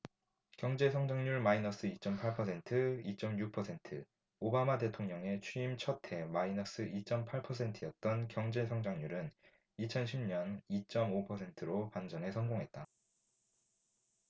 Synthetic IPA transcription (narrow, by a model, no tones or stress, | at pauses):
kjʌŋd͡ʑe̞sʰʌŋd͡ʑaŋɲuɭmainʌs͈ɯit͡ɕ͈ʌmpʰaɭpʰʌsʰe̞ntʰɯit͡ɕ͈ʌmjuk̚pʰʌsʰe̞ntʰɯ | obamate̞tʰoŋɲʌŋe̞t͡ɕʰiimt͡ɕʰʌtʰe̞mainʌs͈ɯʔit͡ɕ͈ʌmpʰaɭpʰʌsʰe̞ntʰijʌt̚t͈ʌnkjʌŋd͡ʑe̞sʰʌŋd͡ʑaŋɲuɾɯn | it͡ɕʰʌnɕʰimɲʌnit͡ɕ͈ʌmopʰʌsʰe̞ntʰɯɾopand͡ʑʌne̞sʰʌnɡoŋɦe̞t̚t͈a